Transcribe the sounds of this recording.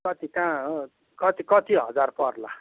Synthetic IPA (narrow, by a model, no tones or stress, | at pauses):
kʌt̪ikã | kʌt̪ikʌt̪iɦʌd͡zarpʌrla̰